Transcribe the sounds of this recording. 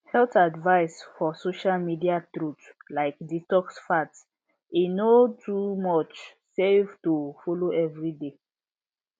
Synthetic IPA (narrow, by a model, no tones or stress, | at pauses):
hɛltadvaɪsfɔsoʃalmidiatɹut | laɪkditɔksfat | inotʰumɔt͡ʃ | sevtufɔloɛvɹide